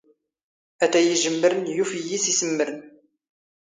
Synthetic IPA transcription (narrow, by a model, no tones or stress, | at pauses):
æt̪æjiʒəmːəɾənjufijisisəmːəɾən